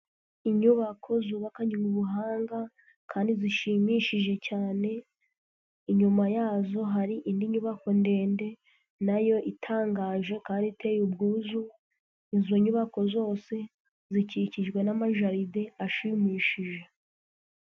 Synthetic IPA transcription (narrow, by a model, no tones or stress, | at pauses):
iɲuβakʰo̞zuːβakaɲeŋuβuɦaːŋɡa | kʰaːndiziʃimiʃiʒe̞caːne̞ | iɲumajaːzo̞ɦaɾiʔindiɲuβako̞nde̞ːnde̞ | najo̞ʔitʰaːŋɡaːʒe̞kaːndite̞jubɡuːzu | izo̞ɲuβako̞zo̞ːse̞ | ziciciʒɡwe̞namaʒaɾideaʃimiːʃiʒe̞